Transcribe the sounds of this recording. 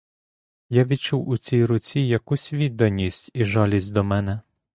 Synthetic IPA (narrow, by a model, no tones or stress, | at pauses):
jaʋʲid̪t͡ʃuwʊt͡sʲijɾʊt͡sʲijɐkusʲʋʲid̪ːɐnʲisʲtʲiʒɑlʲisʲtʲd̪ɔmɛnɛ